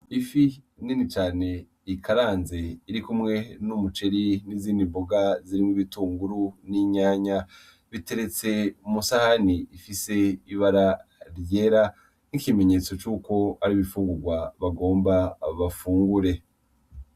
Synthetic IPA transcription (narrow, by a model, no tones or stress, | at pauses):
ifi | ninit͡ʃaːne̞ | ikʰaɾaːnze̞iɾikumŋe̞numut͡ʃe̞ɾiniziːndimboɡaziɾimiβituːŋɡuɾuniɲaːɲa | βite̞ɾe̞t͡se̞musahaniifise̞iβaɾaɾjeːɾa | nikime̞ɲe̞t͡so̞t͡ʃuːko̞aɾiβifuːŋɡuɾɡwaβaɡo̞ːmbaβafuːŋɡuɾe̞